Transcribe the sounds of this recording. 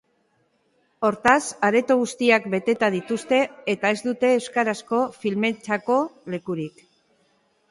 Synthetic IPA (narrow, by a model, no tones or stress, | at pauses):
o̞ɾt̪asaɾe̞t̪oɣ̞ust̪iakbe̞t̪e̞t̪aðit̪ust̪e̞ːt̪ae̞zd̪ut̪e̞ːwskaɾasko̞filme̞t͡ʃako̞le̞kuɾik